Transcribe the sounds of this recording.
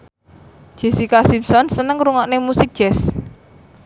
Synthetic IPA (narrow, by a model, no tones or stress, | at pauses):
ʒ̥e̤sikasimsɔnsənəŋɾuŋɔʔnemusik̚d̥ʒ̥ɛs